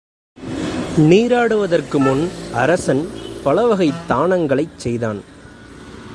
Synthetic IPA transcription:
niːɾaːɽɯʋɐðɐrkɯmʊnʔɐɾɐsɐnpɐɭɐʋɐɣɐɪt̪ːaːɳɐŋɡɐɭɐɪt͡ʃsɛjða̰ːn

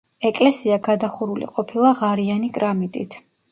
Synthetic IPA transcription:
ɛkʼlɛsiaɡad̪aχuɾulḭqʼɔpʰilˠaʁaɾianikʼɾamit̪ʼit̪ʰ

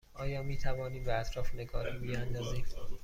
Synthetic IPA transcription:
ʔɒːjɒːmiːt̪ʰævɒːniːmbeæt̪ʰɾɒːfene̞ɡɒːhiːbiænd̪ɒːziːm

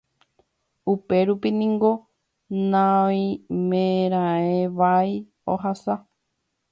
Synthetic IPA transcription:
upe̞ɾupinĩŋɡo̞ | nãĩmẽɾ̃ãẽʋaj | oɦasa

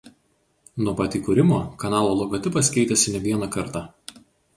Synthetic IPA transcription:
nuɔpɑːt̪ʲiːkʊɾʲɪmoːkɐnɑːlˠoːlˠɔɡɔt̪ʲɪpɐskʲɛɪt̪ʲɛsʲɪnʲɛʋʲiɛnɑkɐɾt̪ɑ

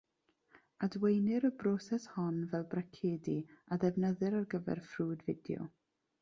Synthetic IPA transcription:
adwejnɪɾəbrɔsɛshɔnvɛlˠbrakʰeːdiaðɛvnəðɨɾarɡəvɛ̰rfruːdvɪdjɔ̰

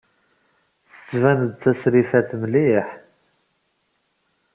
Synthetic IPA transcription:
θə̥t͡sːvænəd̪̚t͡sːæsɾifæθmliħ

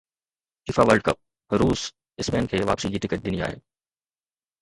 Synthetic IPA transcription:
kɪfaːʋəlɖkəp̚ | ɦɾuːs | ɪsmeɛːnkʰeːʋa̰ːpsid͡ʑiːʈɪkəʈ̚d̪ɪnia̰ːɦḛː

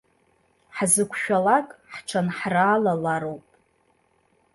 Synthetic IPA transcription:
ħzɨkʷʰʃᶣalakʼħʈ͡ʂʰanħraːlalaɾowpʼ

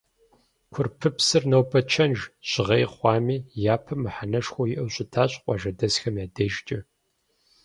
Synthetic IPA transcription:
kʷʰʊrpʰɨpsɨrnɐwpʰɐt͡ʃʰɐnʒɕʼɪʁejχʷɑːmiːjaːpʰɐmɨħanɐʂxʷojɪʔɐwɕʼɪtʰaːɕʼqʷʼɑʒɐdɐsxɐmjaːdɐʒt͡ʃʼɪ

